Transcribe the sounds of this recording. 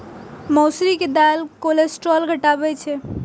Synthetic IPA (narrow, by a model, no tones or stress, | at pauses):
mɔwsɾiked̪alkolesʈɾɔlɡʱəʈabɛt͡ʃʰɛ